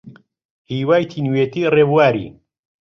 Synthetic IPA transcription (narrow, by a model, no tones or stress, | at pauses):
hiːwaːjt̪ʰiːnweːt̪ireːbuwaːɾḭː